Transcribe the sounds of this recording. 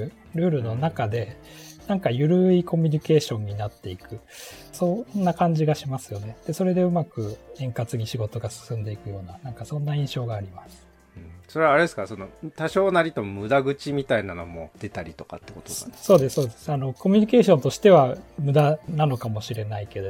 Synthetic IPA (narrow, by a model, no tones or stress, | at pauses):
ɾɯ̟ːɾɯ̟no̞nakad̪e̞nãŋkajɯ̟ɾɯ̟iko̞mʲyɲ̟ike̞ːɕõ̞ɲ̟ːinat̪ːe̞ikɯ̟ | so̞nːakãɲ̟d͡ʑiɡaɕimasɨ̥jo̞ne̞d̪̥e̞so̞ɾe̞d̪e̞ɯ̟makɯ̟ẽ̞ŋkat͡sɨɲ̟iɕiɡo̞t̪o̞ɡasɨ̥sɨ̃nd̪e̞ikɯ̟jo̞ːnanãŋkasõ̞nːaĩɰ̃ɕo̞ːɡaːɾʲimasɨ̥ | ɯ̃so̞ɾeaɾed̪esɨ̥kaso̞no̞t̪aɕo̞ːnaɾʲit̪omɯ̟d̪aɡɯ̟t͡ɕimʲit̪ainano̞̰mo̞d̪̥e̞t̪aɾʲit̪o̞ka̰t̪ːe̥ko̞t̪oso̞ːd̪e̞sɨ̥so̞ːd̪e̞sɨ̥ano̞ko̞mʲiɲ̟ike̞ːɕõ̞nt̪oɕi̥t̪e̞βamɯ̟d̪anano̞kamo̞ɕiɾe̞naike̞d̪o̞